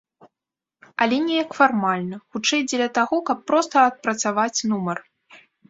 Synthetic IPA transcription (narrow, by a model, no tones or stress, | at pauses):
ɐlʲɛnʲɛjɐkfarmalʲnɐxut͡ʂɛjd͡zʲɛlʲɐt̪aɣɔkɐpːɾɔst̪ɐːt̪̚pɾɐt̪savat͡sʲnumɐr